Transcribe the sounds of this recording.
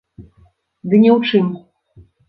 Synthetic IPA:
d̪ɨnʲɛwt͡ʂɨm

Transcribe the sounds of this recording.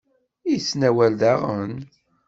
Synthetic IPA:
isnæwæld̪aʁən

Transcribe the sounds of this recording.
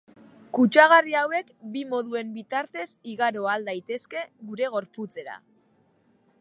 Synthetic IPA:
kut͡ʃaɣ̞ariawe̞kbimo̞ðue̞mbit̪aɾt̪e̞siɣaɾo̞ald̪ajt̪e̞ske̞ɣuɾe̞ɣ̞o̞ɾput͡se̞ɾa̰

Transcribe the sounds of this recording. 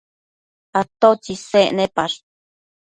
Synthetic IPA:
at̪ot͡ʃiseʔnepaɾ

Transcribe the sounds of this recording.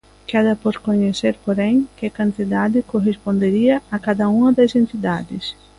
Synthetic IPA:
ked̪ɐpoɾkoɲeseɾpoɾẽŋkekãnt̪id̪ad̪ɪkoɦespõnd̪eɾiɐːkad̪ɐũŋɐd̪ɐsẽnt̪id̪ad̪ɪs

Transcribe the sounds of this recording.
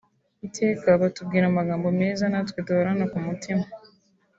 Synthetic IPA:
itʰeːkaβatub̚ɡiːɾamaɡaːmbo̞me̞ːzanatweduhoɾanakumutima

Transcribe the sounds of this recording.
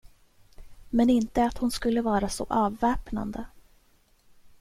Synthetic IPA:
mɛnɪnt̪əat̪hʊnskɵlːəvɑːɾasɔ̰ʔɑːvːɛːpna̰nd̪ə

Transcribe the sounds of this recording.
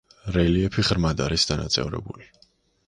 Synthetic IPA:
ɾɛliɛpʰiʁɾmad̪aɾisd̪ana̰t̪sʼɛ̰vɾɛ̰buli

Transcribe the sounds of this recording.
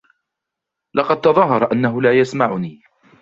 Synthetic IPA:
lɑqɑd̪̚t̪ɑðˤɑɦːɑɾˤɑʔanːaɦʊlaːjasmaʕʊniː

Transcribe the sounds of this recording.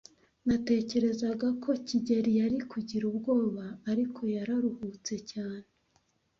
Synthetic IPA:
nate̞ːce̞ɾe̞zaɡakʰo̞ciɟeɾijaɾikuɟiɾub̚ɡo̞ːβaːɾikʰo̞jaɾaɾuhut͡se̞caːne

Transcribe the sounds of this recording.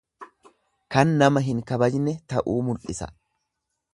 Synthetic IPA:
kɐnːɐmɐɦɪŋkɐbɐd͡ʒnɛt̪ɐʔuːmʊlʔɪsɐ̰

